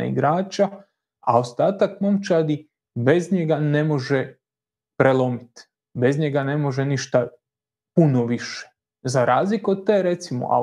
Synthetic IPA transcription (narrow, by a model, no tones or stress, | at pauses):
ḭɡɾaːt͡ʃa | a̰ost̪aːt̪akmomt͡ʃad̪i | be̞zɲeɡane̞mo̞ʒe | pɾelˠo̞mit̪ | be̞zɲe̞ɡane̞mo̞ʒeniʃt̪a | punoʋiʃe̥ | zaɾaːzlikod̪̚t̪ːeːɾe̞t̪simo̰ʔa̰